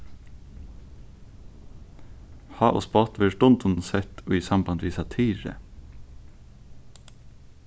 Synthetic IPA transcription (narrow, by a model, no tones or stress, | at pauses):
hɑːʔɔ̰ːspɑt̪ʋeːʃʈʊnt̪ʰʊnsɛt̪ʰoːiːsɑmbɑnʋiːsɑt̪ʰiːɾə̰